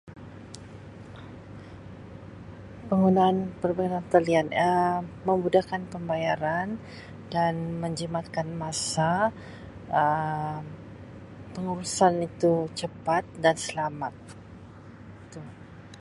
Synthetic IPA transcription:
pəŋɡunaːnpərpəŋɡunant̪əlianəməmbudahkanpəmbajaɾan | danməɲd͡ʒəmat̪kanmasa | ə | pəŋuɾusanit̪ut͡ʃəpat̪̚dansəlamat̪̚ | t̪u

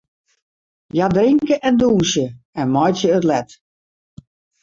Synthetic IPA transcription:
jadriŋkəʔɛnduːnsjəɛnmɔjtjəətlɛt

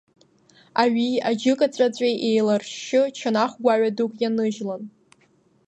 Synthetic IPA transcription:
aɥiad͡ʒɪkʼat͡ɕʷʼat͡ɕʷʼejʔejlarʃɪt͡ʃʰanaχʷɡʷaɥadukʼjanɨʒlan

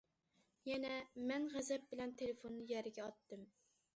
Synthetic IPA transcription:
jɛnɛmɛnʁæzɛp̚bɪlɛnt̪ʰelefonːɨjæɾɪɡʲɛɑt̪ːɨm

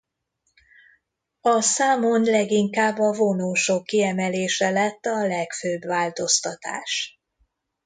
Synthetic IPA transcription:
ɒsaːmonlɛɡiŋkaːbːɒvonoːʃokːiɛmɛleːʃɛlɛt̪ːɒlɛkføːbʋaːlt̪o̞st̪ɒt̪a̰ːʃ

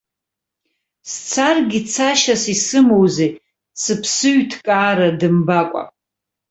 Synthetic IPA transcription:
st͡sʰarɡʲit͡sʰaʃasisɨmowzej | sɨpʰsɨɥtʰkʼaːɾadɨmbakʷʼa̰

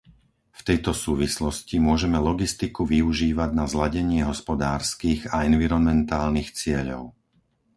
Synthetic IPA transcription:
ft̪ɛjt̪ɔsuːʋislɔscimʊɔʒɛmɛlɔɡist̪ikuʋiuʒiːʋaɟnazlaɟɛɲɪɛɦɔspɔd̪aːɾskiːɣaɛnʋiɾɔnmɛnt̪aːlnixt͡sɪɛʎɔ̰ʊ

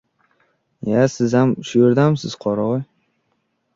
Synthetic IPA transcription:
jasɪzamʃʊjʊɾd̪amsɪz̥qʰɒɾaj

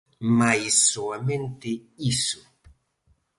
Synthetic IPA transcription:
majsuament̪eisu

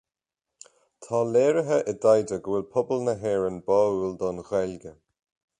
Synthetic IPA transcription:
tʰaːlɛːɹəɦəʔədajdəɡwɪlˠpʰʊbəlˠnəɦɛːɹənbɔulˠdɔnɣwɛlɡə

